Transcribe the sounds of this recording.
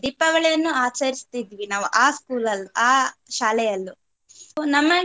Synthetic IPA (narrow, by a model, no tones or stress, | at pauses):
d̪ipːɐɡɐɭɛjɐnːuaːt͡ʃɐɾist̪id̪ʋinaːʋuʔaːskuːlɐlːuʔaːʃaːlɛjɐlːu | nɐmːɐ